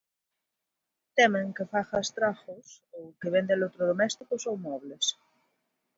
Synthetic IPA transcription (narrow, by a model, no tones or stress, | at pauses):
t̪emẽŋkefaxast̪ɾaxosowkeβend̪ẽlot̪ɾoðomɛst̪ikosowmɔβles